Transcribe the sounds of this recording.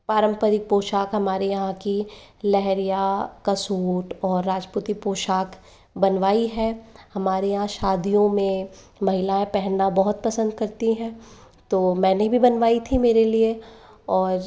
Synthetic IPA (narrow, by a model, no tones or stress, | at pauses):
paːɾə̃mpəɾɪk̚poːʃaːkɦɐmaːɾejɐɦãkilɛɦɾijakɐsuːʈɔːɾːaːd͡ʒput̪ipoːʃaːk | bɐnʋaːiɦɛːhɐmaːɾejɐɦãʃaːd̪ijõmẽ | mɐɦɪlaẽpɛɦnːabɐɦʊt̪̚pɐsə̃nd̪̚kɐɾt̪iɦɛ̃ː | t̪oːmɛ̃ːnebʱibɐnʋaːit̪ʰimeːɾelie | ɔːɾ